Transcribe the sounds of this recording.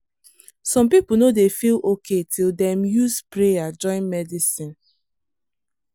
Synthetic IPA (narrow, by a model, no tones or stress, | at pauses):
sɔ̃mpipunodefilokʰetʰildɛ̃mjuspɹejad͡ʒɔ̃ɪ̃nmɛdisĩn